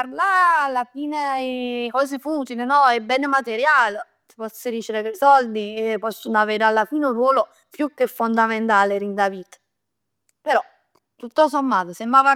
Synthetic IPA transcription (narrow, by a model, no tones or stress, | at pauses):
arlaalːafiːnekɔːz̬efuːt̪ilenɔɛbːɛnemat̪eɾjaːle | t̪i̥pɔsːiɾit͡ʃeɾekesɔld̪iepɔsːonoaveːɾealːafiːneunrwɔːlo | pjukːefːond̪ament̪aːleɾind̪avit̪ | peɾɔ | t̪ːut̪ːosomːaːt̪osembɾaːva